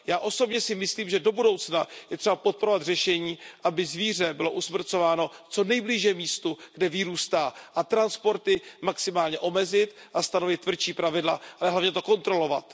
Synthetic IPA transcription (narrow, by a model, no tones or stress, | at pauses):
jaːʔo̞so̞bɲɛsɪmɪsliːmʒɛdo̞budo̞wt͡snajɛt̪r̝̥ɛbapo̞t̪̚poɾo̞vat̪r̝ɛʃɛɲiːʔabɪzviːr̝ɛbɪlo̞ʔusmr̩t͡so̞vaːno̞t͡so̞nɛjbliːʒɛmiːst̪uɡ̥dɛvɪɾuːst̪aːʔat̪ɾanspo̞ɾt̪ɪmaksɪmaːlɲɛʔo̞mɛzɪt̪ʔast̪anovɪt̪ːvr̩t͡ʃiːpɾavɪdlaʔalɛɦlavɲɛt̪o̞ko̞nt̪ɾo̞lo̞va̰t̪